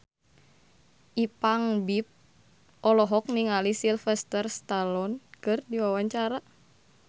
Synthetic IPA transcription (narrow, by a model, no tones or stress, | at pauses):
ʔipaŋbip̚ | ʔɔlɔɦɔk̚niŋalisilfɛst̪ərst̪alɔnkɨrdiwawaɲt͡ʃaɾa